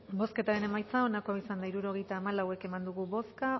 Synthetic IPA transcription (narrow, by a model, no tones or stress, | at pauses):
bo̞ske̞t̪aɾe̞ne̞majt͡sao̞nako̞aisand̪aiɾuɾo̞ɣ̞e̞jt̪aːmalawe̞ke̞mand̪uɣ̞uβo̞ska